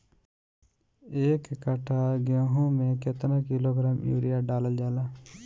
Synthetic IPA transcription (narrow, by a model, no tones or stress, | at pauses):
eːkːəʈʰaːɡjõːɦõːmẽːkɪt̪nãːkɪloːɡɾaːmjṵːɾɪjaːɖaːləld͡ʒaːlaː